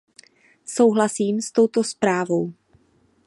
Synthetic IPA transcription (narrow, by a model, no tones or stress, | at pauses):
sowɦlasiːmst̪o̞wt̪o̞spɾaːvo̞w